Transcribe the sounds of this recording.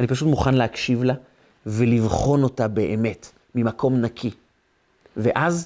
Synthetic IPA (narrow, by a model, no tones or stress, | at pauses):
anipaʃutmuχanlehakʃivla | velivχo̞no̞tabe̞ʔeme̞t | mimakʰo̞mnakʰi | veʔaz